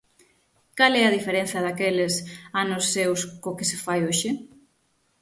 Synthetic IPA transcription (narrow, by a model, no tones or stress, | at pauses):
kalɛɐðifeɾen̟θɐðakelɪsanʊsːewskokɪsɪfajoʃɪ